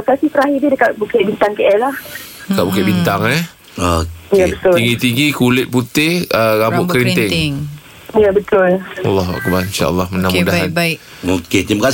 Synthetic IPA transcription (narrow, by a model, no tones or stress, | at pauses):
kasisəɾaɦididəkaʔ̚bukɪʔbint̪aŋkeʔɛlah | dəkaʔbukɪʔbint̪aŋɛ | ojabət̪ʊt̪iŋɡit̪iŋɡikulɪt̪̚put̪ɪhəɣabʊkɾint̪ɪŋŋ | jabət̪ʊlwɑ̰lːɑɦua̰kbarinʃa̰ʔə̰lːɑhmənamudaɦanbaɪ | oket̪imakas